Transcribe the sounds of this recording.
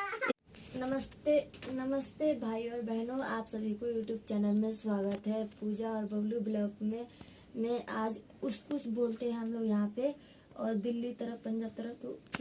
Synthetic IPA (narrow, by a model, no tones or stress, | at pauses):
nɐməst̪eːnɐməst̪eːbʱaːiɔːɾbɛɦnoaːpsɐbʱikojuːʈjuːb̚t͡ʃɛːnəlmẽswaːɡət̪ɦɛpuːd͡ʒaɔːɾbʱɐɡlubɪləːkmẽ | mẽʔaːd͡ʒ | ʊskʊsboːlt̪eɦɛ̃ɦɐmloːɡjɐɦãpe | ɔːɾd̪ɪlːit̪ɐɾəfpɐ̃nd͡ʒaːb̚t̪ɐɾət̪o